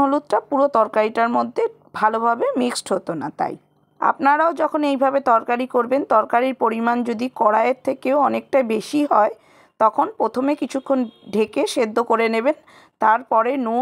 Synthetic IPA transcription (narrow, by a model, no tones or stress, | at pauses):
olut̪̚ʈapuɾot̪ɔɾkaɾiʈaɾmod̪ʱːe | bʱalobʱabemiksʈɦot̪ona̰t̪a̰j | a̰pnaɾaod͡ʑɔkʰonejbʱabet̪ɔɾkaɾikoɾbent̪ɔɾkaɾiɾpoɾimand͡ʑod̪ikɔɽaeɾt̪ʰːekeoɔnek̚ʈajbeʃiɦɔe | t̪ɔkʰonpɾot̪ʰomekit͡ɕʰukʰːonɖʱekeʃed̪ʱːokoɾeneβen | t̪aɾpɔɾenu